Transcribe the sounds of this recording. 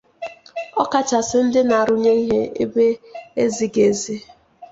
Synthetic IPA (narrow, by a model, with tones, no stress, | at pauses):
ɔ˦ka˨t͡ʃa˨sɪ˦n̩˦dɪ˦na˨a˨ɾʊ˦ɲe˦i˦ɦe˦ḛ˦be˦e˦zi˨ɡe˨zi˦